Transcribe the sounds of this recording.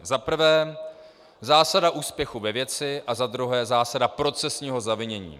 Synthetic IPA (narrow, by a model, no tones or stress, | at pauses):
zapr̩vɛː | zaːsadaʔuːspjɛxuvɛvjɛt͡sɪʔazad̪ɾuɦɛːzaːsadapɾo̞t͡sɛsɲiːɦo̞zavɪɲɛɲḭː